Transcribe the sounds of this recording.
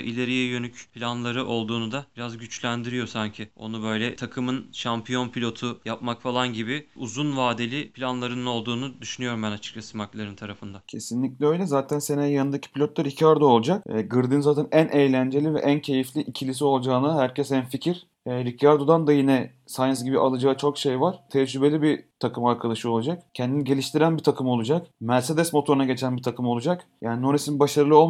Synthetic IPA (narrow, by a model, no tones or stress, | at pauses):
ʔilʲeɾijɛjønycpʰilʲanlˠaɾɯʔo̞lˠd̪uːnud̪abiɾazɟyt͡ʃlʲænd̪iɾijo̞saɲcʰɪo̞̰nubø̞jlʲɛt̪ʰakʰɯmɯnʃampʰijo̞npʰilʲo̞t̪ʰujap̚makfalˠanɟibɪuzunvaːd̪elʲipʰilʲanlˠaɾɯnɯno̞lˠd̪uːnud̪yʃynyjo̞ɾumbænat͡ʃʰɯ̥k̚t͡ʃʰasɯmaklˠaɾɯnt̪ʰaɾafɯnd̪acʰe̞sinlʲiclʲɛø̞jlʲɛzaːt̪ʰænsenɛjanɯnd̪acʰi̥pʰilʲot̪laɾicʰaɾd̪oo̞lˠd͡ʒak̚ːɡɯɾd̪ɯnzaːt̪ʰɛnænʔejlʲænd͡ʒe̞lʲivɛ̰ʔæncʰe̞jiflʲiʔicʰilʲis̬io̞lˠd͡ʒaːnaɦæɾcʰɛsænficʰiɾ | ɛɾicʰjaɾd̪od̪and̪ajinɛ | sans̬ɟibiʔalˠɯd͡ʒaːɯt͡ʃʰo̞kʃe̞jvaɾ̥t̪ʰɛd͡ʒybe̞lʲibit̪ʰakʰɯmaɾkʰad̪aʃɯolˠud͡ʒak̚cʰɛnd̪iniɟelʲiʃt̪ʰiɾænbit̪ʰakʰɯmo̞lˠud͡ʒakmæɾse̞d̪ɛsmo̞t̪ʰo̞ɾunaɟe̞t͡ʃʰænbit̪ʰakʰɯmo̞lˠud͡ʒakjaːninoɾesinbaʃaɾɯlˠɯolˠm